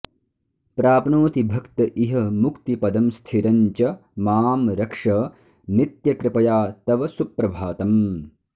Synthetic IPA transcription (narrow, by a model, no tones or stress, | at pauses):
pɾaːpnoːt̪ibʱɐkt̪ɐʔiɦɐmukt̪ipɐd̪ɐmst̪ʰiɾɐɲt͡ʃɐmaːmɾɐkʂɐ | nit̪jɐkɾɪpɐjaːt̪ɐʋɐsupɾɐbʱaːt̪ɐm